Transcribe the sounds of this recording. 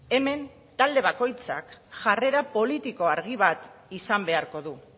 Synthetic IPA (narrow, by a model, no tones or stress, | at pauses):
e̞me̞n | t̪ald̪e̞β̞ako̞jt͡sa̰kʝare̞ɾapo̞lit̪iko̞aɾɣiβ̞at̪isambe̞aɾko̞ðu